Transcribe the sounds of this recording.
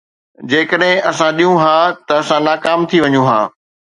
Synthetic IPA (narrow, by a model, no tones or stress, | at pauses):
d͡ʑeːkəɗɦɪ̃ʔɐsãɗijũɦãːt̪ɐːsãnaːkaːmt̪ʰiʋɐɲũɦã̰ː